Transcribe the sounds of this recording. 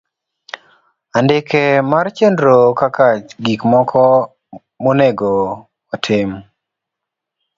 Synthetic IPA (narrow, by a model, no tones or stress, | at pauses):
andɪkemart͡ʃendɾokakat͡ʃɡikmɔkʰɔ | moneɡo | watʰɪm